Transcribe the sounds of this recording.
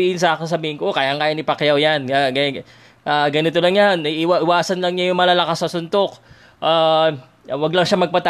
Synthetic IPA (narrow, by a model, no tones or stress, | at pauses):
iɪns̬ɐakɪŋs̬ɐbiːhɪŋkoʔokajaʔŋkajɪnɪpɐkjawjanɡ | ʔaːɡɐnɪt̪olɐŋjanɐʔɪwaʔɪwaːsɐnlɐŋɲajʊŋmɐlaːlɐkasɐsʊnd̪ok | ʔaː | wɐɡlɐŋʃamɐɡ̚pɐt̪a